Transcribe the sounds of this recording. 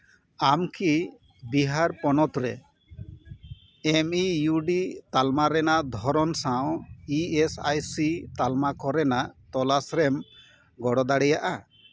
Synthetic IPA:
amkʰi | biɦaɾpɔnɔt̪ɾɛ̰ | ɛmijuɖit̪almaɾɛnaʔd̪ʱɔɾɔnsawiɛsajsit̪almakɔɾɛnaʔt̪ɔlasɾɛm | ɡɔɽɔd̪aɽɛjaʔa

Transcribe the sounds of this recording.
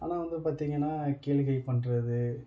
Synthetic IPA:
ʔa̰ːnaːʋɐnd̪ɯpaːɾt̪iːŋɡɐnːaːkeːɭɣɐɪpɐɳɾɐðɯ

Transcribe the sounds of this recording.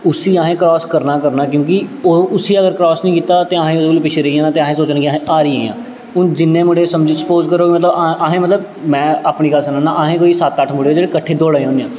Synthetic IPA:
ʊsiːaːɦẽːkɾɔːskəɾnaːkəɾnaːkjõːk̬ɪoʊsiːəɡəɾkɾɔːsnĩːkiːt̪aːt̪eːaːɦẽːʊd̪ekːliːpɪt͡ʃʰeːɾəiːãːãːt̪eːaɦẽːsoːt͡ʃnãːkɪaɦẽʔaːɾiːeːã̰ː | ʊnd͡ʒɪnːẽːmʊɽeːsəmd͡ʒsə̥poːzkəɾoːkmət̪ləbaʔaːɦẽːmət̪ləb | mɛ̃ːaːpɳiːkəlsənãːnã̰ːʔaːɦẽːkoːisat̪əʈʰmʊɽeːoːd͡ʒeːɽeːkəʈʰːeːd̪oːɽaːẽoːneãː

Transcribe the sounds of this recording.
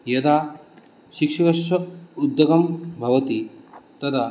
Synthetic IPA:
jɐd̪a | ʃikʂikɐʃɐud̪ːɐɡɐmbʱɐʋɐt̪it̪ɐd̪a

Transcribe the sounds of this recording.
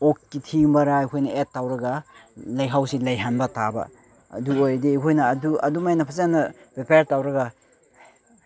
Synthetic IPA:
okkitʰiŋbaɾaːjkʰojnɐet̚ːawɾɐɡalajɦawsilɐjɦanbɐtaba̰ː | duojdiːkʰojnɐːduɐ̰dumajnɐpʰazanɐpepeɾtawɾɐɡa

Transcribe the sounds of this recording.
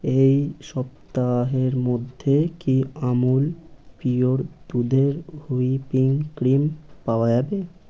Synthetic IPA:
ejʃɔpt̪aɦeɾmod̪ʱːekiamulpioɾd̪̥ud̪ʱeɾhuipiŋkɾimpaoad͡ʑabe

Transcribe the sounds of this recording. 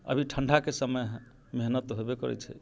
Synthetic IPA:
ə̰bʱiʈʰəɳɖʱakesəməj | meɦnət̪ɦoebekɔɾɛ̰t͡ʃʰɛ

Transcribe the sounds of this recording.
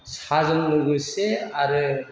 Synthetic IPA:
sazɯŋmɯɡɯseaɾɯ

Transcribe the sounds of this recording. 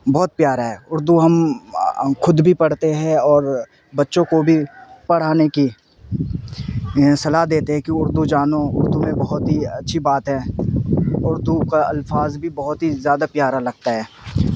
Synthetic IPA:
bɔːt̪̚pjaːɾaɦɛːʊɾd̪uɦɐm | xʊd̪bʱipɐɽ̤t̪eɦɛ̃ɔːɾ | bɐtːʃõkobʱipɐɽ̤aːneki | sɐlaɦd̪eːt̪eɦɛ̃kiʊɾd̪ud͡ʒaːnoʊɾd̪umẽbɐɦʊt̪ɦiɐtːʃʰibaːt̪ɦɛ̃ː | ʊɾd̪ukaɐlfaːzbʱibɐɦʊt̪ɦizjaːd̪apjaːɾalɐɡt̪aɦɛː

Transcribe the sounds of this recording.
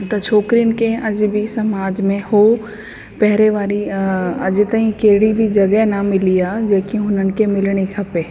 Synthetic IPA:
t̪ɐt͡ʃʰoːkɾinɪ̆keɐd͡ʒbʱisɐmaːd͡ʒmẽho | pɛɦɾeʋaːɾiɐd͡ʒt̪ɐɦĩkeːɽibʱid͡ʒɐɡɛɦnɐmɪlijad͡ʒeːkiɦʊnənɪ̆kemɪlɽ̃ekʰɐpe

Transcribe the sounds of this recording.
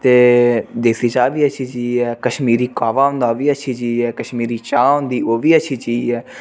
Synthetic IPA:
t̪eːd̪eːsiːt͡ʃaːʋiːət͡ʃʰiːt͡ʃiːɛːkəʃmiːɾiːkaːʋaːɦʊ̃nd̪aːʋiːət͡ʃʰiːd͡ʒiːɛːkəʃmiːɾiːt͡ʃaːʊ̃nd̪iːoːʋiːət͡ʃʰiːt͡ʃiːɛː

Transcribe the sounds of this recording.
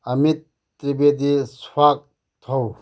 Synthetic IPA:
ɐmit̪̚ː | ɾibed̪iswak̚ | t̪ʰow

